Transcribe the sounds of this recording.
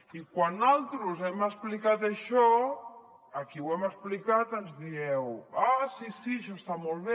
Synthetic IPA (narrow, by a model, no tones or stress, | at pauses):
ikwanalˠt̪ɾuzɛməsplikat̪aʃɔ | akiwɛməsplikat̪ənzðiɛwasisiʃɔst̪amɔlˠβ̞e